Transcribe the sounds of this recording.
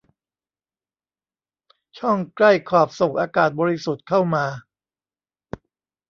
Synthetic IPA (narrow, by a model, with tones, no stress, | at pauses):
t͡ɕʰɔ˥˩ŋkla˥˩jkʰɔː˨˩p̚so˨˩ŋʔaː˧kaː˨˩t̪̚bɔː˧ɾi˦˥su˨˩t̪̚kʰa˥˩wmaː˧